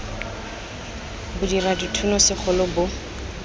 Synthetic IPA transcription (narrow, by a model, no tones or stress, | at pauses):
bʊdiraditʰunɔsɪχʰʊlʊbʊ